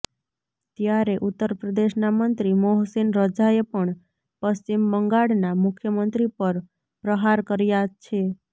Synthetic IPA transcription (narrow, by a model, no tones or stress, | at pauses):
t̪jaɾeʔut̪ːəɾpɾəd̪eʃnamənt̪ɾimoɦsinɾəd͡ʒaepəɳ | pəst͡ʃimbəŋɡaɽnamʊkʰjəmənt̪ɾipəɾ | pɾəɦaɾkəɾjat͡ʃʰe